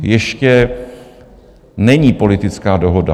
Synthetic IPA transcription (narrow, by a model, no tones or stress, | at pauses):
jɛʃcɛ | nɛɲiːpo̞lɪt̪ɪt͡skaːdoɦoda̰